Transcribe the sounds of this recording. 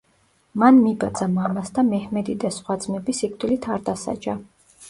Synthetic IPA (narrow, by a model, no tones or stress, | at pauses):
manmibad̪z̥amamasd̪amɛhmɛd̪id̪asχwad̪zmɛbisik̚ʰʼt̪ʼilit̪ʰaɾd̪asa̰d͡ʒa